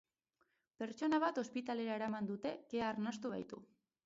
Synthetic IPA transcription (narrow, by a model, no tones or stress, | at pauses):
pe̞ɾt͡ʃo̞naβ̞at̪o̞spit̪ale̞ɾae̞ɾamand̪ut̪e̞keaːɾnast̪uβ̞a̰jt̪ṵ